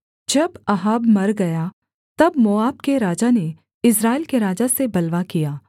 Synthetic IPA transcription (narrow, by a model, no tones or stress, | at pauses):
d͡ʒɐbɐɦaːbmɐɾɡɐja | t̪ɐbmoːaːbkeɾaːd͡ʒane | ɪs̬ɾaːɪlkeɾaːd͡ʒasebɐlʋakijaː